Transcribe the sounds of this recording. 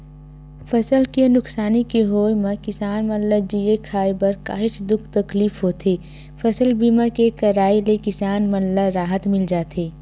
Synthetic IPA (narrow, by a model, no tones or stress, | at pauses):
fʰɐsəlkenʊksaːnikeɦoːjmẽkɪsaːnmənləd͡ʒiekʰaːjbɐɾka̰ːɦɪt͡ʃd̪ʊkʰt̪ɐkliːfɦoːt̪ʰeː | fʰɐsəlbiːmakekɐɾaːilekɪsaːnmənlaɾaːɦət̪mɪld͡ʒaːt̪ʰeː